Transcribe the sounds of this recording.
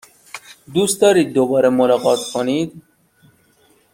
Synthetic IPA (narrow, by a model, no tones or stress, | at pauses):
d̪uːst̪̚d̪ɒːɾiːd̪̚ːobɒːɾɛmolɑːɣɒːt̪kʰonid̪